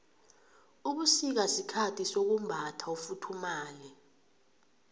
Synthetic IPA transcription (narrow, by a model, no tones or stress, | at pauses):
uɓusik̬asikʰatʰisok̬umbʱatʰaufutʰumaːlɛ